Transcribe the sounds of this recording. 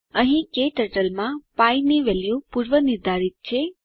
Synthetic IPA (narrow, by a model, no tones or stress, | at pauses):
əɦĩkeʈəɾʈəlmãpajniʋɛljupuɾʋəniɾd̪ʱaɾit̪̚t͡ʃʰe